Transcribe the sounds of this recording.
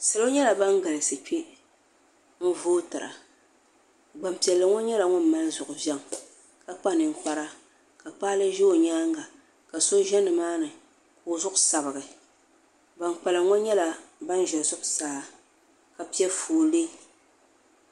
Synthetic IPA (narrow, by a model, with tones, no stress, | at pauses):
sɨ˨lo˦ɲɛ˦la˨ba˦ŋɡa˨lɨ˨sɨ˨k͡pe˦ | ŋ̩˦voː˦tɨ˨ɾa̰˨ | ɡ͡ba˨m˨pi˨ɛ˨lːɨ˨ŋɔ˦ɲɛ˦la˨ŋʊ˦m˦˨ma˦lzʊ˨ʔʊ˨bjɛ˦ŋ˨ | ka˦k͡pa˦nɨ˨ŋ˨k͡pa˦ɾa˦ | ka˨k͡paː˦lɨ˦ʒɛ˦o˨ɲaː˦ŋɡa˨ | ka˨so˦ʒɛ˦nːɨ˨maː˦nɨ˨ | kʊː˨zʊ˦ʔʊ˨sa˨bɨ˨ɡɨ˨ | ba˨nk͡pa˨lɨ˨ŋɔ˦ɲɛ˦la˨ba˦n˦ʒɛ˨lzʊ˦ʔʊ˨saː˦ | ka˨pi˦ɛ˦foː˨le˦